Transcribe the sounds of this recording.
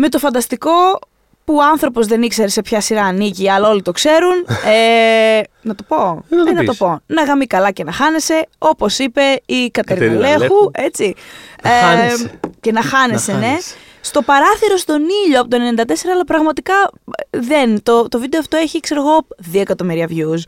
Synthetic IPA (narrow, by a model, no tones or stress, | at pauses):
me̞t̪o̞fɐnd̪ɐst̪iko̞ | puoɐnθɾo̞pozðe̞nikse̞ɾese̞pçɐsiɾɐːniʝiɐlɐo̞lit̪o̞kse̞ɾune | nɐt̪o̞po̞enɐt̪opo̞nɐɣɐmikɐlɐce̞nɐxɐne̞se̞o̞po̞sipe̞ikɐt̪eɾle̞xue̞t͡sie | cenɐxɐnesene̞ | st̪o̞pɐɾɐθiɾo̞st̪o̞niʎoɐpot̪onend̪ɐt̪e̞se̞ɾɐːlɐpɾɐɣmɐt̪ikɐðent̪ot̪o̞vid̪e̞oft̪o̞e̞çikse̞ɾeɣo̞ðioekɐt̪o̞miɾiɐvʝus